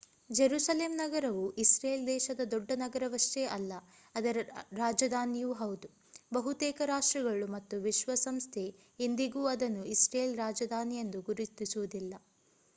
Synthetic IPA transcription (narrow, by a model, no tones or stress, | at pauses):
d͡ʒeɾuːsɐleːmnɐɡɐɾɐʋuʔisɾeːld̪ɛːʃɐd̪ɐd̪ɔɖːɐnɐɡɐɾɐʋɐʂʈeʔɐlːɐ | ɐd̪ɐɾɾaːd͡ʒɐd̪ʱaːnijuːɦɐwd̪u | bɐɦut̪ɛːkɐɾaːʂʈɾɐɡɐɭumɐt̪ːuʋiʃʋɐsɐmst̪ʰe | end̪iɡuːɐd̪ɐnːuisɾeːlɾaːd͡ʒɐd̪ʱaːnijend̪uɡuɾit̪ːisuʋud̪ilːɐ